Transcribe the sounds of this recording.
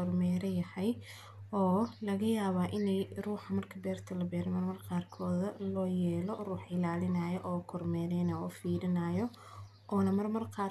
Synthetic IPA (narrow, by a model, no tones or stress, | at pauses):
ɔrmɛːɾɐjɐhɐj | ɔːlɐɣɐjaːβaːʔɪnɛjruːħɑmɐrkʰɐbɛːrt̪ʰɐlɐbɛːɾɛmɐrmɐrqɑːrkʰɔːðɐlɔːjɛːlɔruːħɪlaːlɪnaːjɔʔɔːkʰɔrmɛːɾɛnɐɔfiːɾɪnaːjɔ | ʔɔːnɐmɐrmɐrqɑː